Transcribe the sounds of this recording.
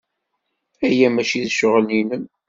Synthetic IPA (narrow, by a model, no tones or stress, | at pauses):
æjæmæʃiðʃəʁlinən